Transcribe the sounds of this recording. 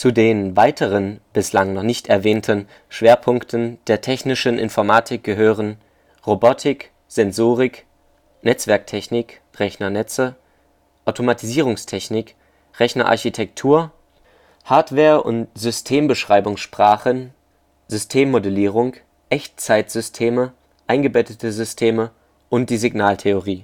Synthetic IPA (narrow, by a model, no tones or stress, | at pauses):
t͡sudeːnvaɪtʰəʁənb̥ɪslaŋnɔχnɪçtɛɐvɛːntʰən | ʃv̥eːɐpʰʊŋktʰən̩d̥eːɐtʰɛçnɪʃənʔɪ̰nfɔɐmaːtʰɪk̚ɡ̥əɦøːʁən | ʁobɔtʰɪk | z̥ɛnzoːʁɪk | nɛt͡sv̥ɛɐk̚tʰɛçnɪk | ʁɛçnɐnɛt͡sə | ʔaʊtʰomatʰiziːʁ̞ʊŋstʰɛçnɪk | ʁɛçnɐʔa̰ɐçitʰɛk̚tʰuːɐ | haːɐtv̥ɛːɐʔʊ̰ntz̥ʏstʰeːmbəʃʁ̥aɪbʊŋsʃpʁ̥aːχən | zʏstʰeːmːodɛliːʁ̞ʊŋ | ʔɛçt͡saɪtz̥ʏstʰeːmə | ʔaɪnɡəbɛtətəzʏstʰeːmə | ʔʊnt̚d̥iːziɡnaːltʰeoʁiː